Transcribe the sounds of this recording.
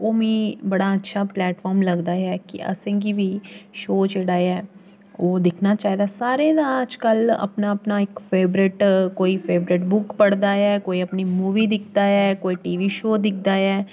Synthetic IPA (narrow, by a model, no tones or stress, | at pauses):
oːmĩːbɐɽaətːʃʰaplɛːʈfɔːɾmlɐɡd̪aːɦɛːkḭə̰sẽɡibʱiːʃoːd͡ʒeːɽaːɛː | oːd̪ɪkʰnat͡ʃaːɦid̪asaːɾed̪aːd͡ʒkələ̰pnaɐpnaɪkfeːbɾɪʈkoːifʰeːbɾɪʈbʊkpəɽd̪aːɛːkoːiəpnimuːʋid̪ɪkʰd̪aɛːkoːiʈiːʋiʃoːd̪ɪkʰd̪aːɛː